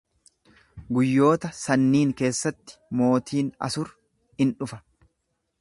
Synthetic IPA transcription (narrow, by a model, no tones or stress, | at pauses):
ɡʊjːo̞ːt̪ɐsɐnːiːŋke̞ːsːɐt̪ːɪ̥mo̞ːt̪ʰiːnɐ̰sʊɾ | hɪnᶑʊfɐ̥